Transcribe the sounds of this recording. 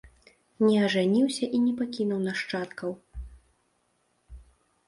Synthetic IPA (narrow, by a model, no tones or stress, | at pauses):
nʲɛɐʐɛnʲiwsʲɐʔinʲɛpakʲinuwnɐʂt͡ʂat̪kɐw